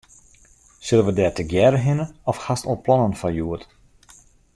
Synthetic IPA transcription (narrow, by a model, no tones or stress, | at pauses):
sɪlˠənʋədɛːtəɡjɛɾəɦɪnəɔfxastɔlˠplɔnənfajuət